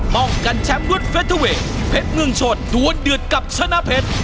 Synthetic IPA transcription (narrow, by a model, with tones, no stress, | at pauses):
mɔ˨˧˩ŋka˧˩ŋt͡ɕɛ˨˦˥mnu˦˥ət̚fe˦˥t̪ʰːə˧we˨˦ | pʰe˦˥t̚mɨ˧əŋt͡ɕo˨˩t̚ɗu˨˧˦ənɗɨ˨˩ət̚kə˨˩p̚sə˧˥nʔaː˧˥pʰe˦˥t̚